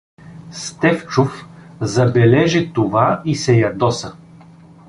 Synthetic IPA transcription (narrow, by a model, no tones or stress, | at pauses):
st̪ɛft͡ʃʊf | zɐbɛlɛʒit̪ovaisɛjɐd̪ɔsə